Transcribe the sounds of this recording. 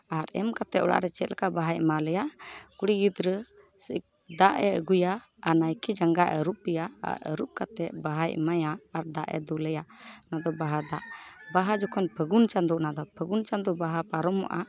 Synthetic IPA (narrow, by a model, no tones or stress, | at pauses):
aɾɛmkat̪ɛʔɔ̰ɽa̰ʔɾɛt͡ʃɛt̪̚lkaʔbaɦajmaləjaʔkuɽiɡid̪ɾə | sək̚ | d̪aʔɛəɡujaː | najkid͡ʒaŋɡaʔəɾup̚ijaa̰ɾə̰ɾup̚kat̪ɛʔ̚baɦajmajaːɾd̪aʔɛ̰d̪uləjanad̪ɔbaɦad̪aʔbaɦad͡ʒɔkʰɔnpʰəɡunt͡ʃand̪uʔnad̪ɔpʰəɡunt͡ʃand̪uʔbaɦapaɾɔma̰ʔa